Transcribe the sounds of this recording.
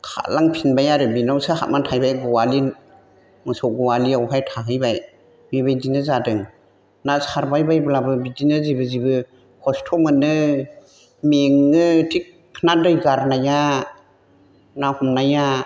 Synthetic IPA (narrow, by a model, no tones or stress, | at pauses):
kʰa̰laŋpʰinbajaɾɯbinawsaɦa̰t̚mantʰajbajɡɔwali | mɯsɔɡɔwaliawɦajtʰaɦɯjbaj | bibajdinɯzadɯŋ | nasaɾbajbajblabɯbidinɯzibɯzibɯ | kʰɔstʰɔmɯnɯ | meŋɯtʰikʰːnadɯjɡaɾnaja | nahɔmnaja